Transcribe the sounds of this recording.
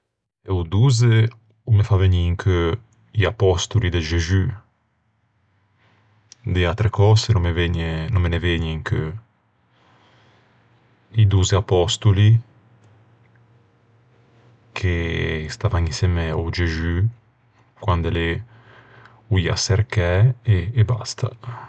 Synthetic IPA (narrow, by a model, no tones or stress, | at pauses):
eud̪uze | umefaveɲiŋkʰø | iapɔst̪ulid̪eʒezy | d̪eat̪ɾekɔsenmeveɲnomeneveɲeŋkʰø | id̪uzeapɔst̪uli | kʰest̪avaŋĩsɛmeod͡ʒezy | kwand̪ele | uia̰seɾkɛeːba̰st̪ʰa